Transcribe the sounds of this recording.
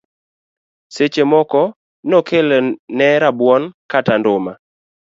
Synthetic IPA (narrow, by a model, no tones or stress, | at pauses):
set͡ʃemɔkɔ | nokʰelnɛɾabwɔnkatandʊma